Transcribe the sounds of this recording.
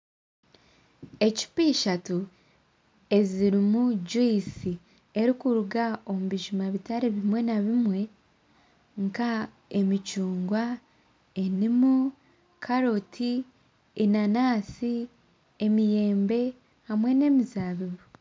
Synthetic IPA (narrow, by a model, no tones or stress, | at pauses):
e̞ci̥piːʃatu | e̞ziɾimud͡ʒuisi | e̞ɾikuɾuɡao̞muβiʒumaβitaɾiβimwe̞naβimwe̞ | ŋka | e̞mit͡ʃuːŋɡwa | e̞nimu | kʰaɾo̞tʰi | enanaːsi | emije̞ːmbe̞ | hamwe̞ne̞ːmizaːβiβu